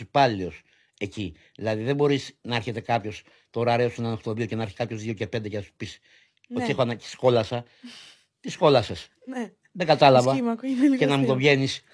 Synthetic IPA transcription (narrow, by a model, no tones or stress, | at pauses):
ipɐlios | e̞ci | ðilɐðiðebo̞ɾisnɐɐɾçe̞t̪e̞kɐpço̞s | t̪o̞ɾɐɾeosuenɐnoxt̪oðio̞ce̞nɐɐɾçi̥kɐpço̞zðioce̞pe̞nd̪ecenɐsu̥pis | oiexoɐnɐi̥sko̞lɐsɐ | t̪isko̞lɐse̞s | n | ðeɡɐt̪ɐlɐvɐmɐkenɐmut̪o̞vʝe̞nis